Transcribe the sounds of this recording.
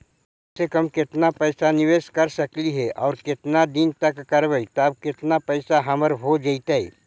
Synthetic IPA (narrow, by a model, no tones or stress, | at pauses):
sekɐmkɪt̪napɛːsanɪʋeːʃkɐɾsɐkliɦɛʔɔːɾkɪt̪nad̪ɪnt̪ɐkːɐɾʋəit̪oɐb̚kɪt̪napɛːsaɦɐməɾɦod͡ʒəit̪aɛ̰